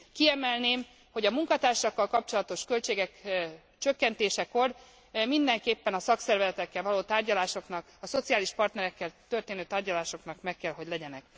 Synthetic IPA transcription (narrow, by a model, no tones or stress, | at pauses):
kiɛmɛlneːm | ho̞ɟɒmuŋkɒt̪aːrʃɒkːɒlkɒp̚t͡ʃo̞lɒt̪o̞ʃkø̞lt͡ʃeːɡɛk | t͡ʃøkːɛnt̪eːʃɛko̞r | mind̪ɛŋkeːpːɛnɒsɒksɛrvɛzɛt̪ɛkːɛlvɒloːt̪aːrɟɒlaːʃo̞knɒkɒso̞t̪siaːliʃpɒrt̪nɛɾɛkːɛlt̪ø̞rt̪eːnøːt̪aːrɟɒlaːʃo̞knɒkmɛkːɛlɦo̞ɟlɛɟɛnɛk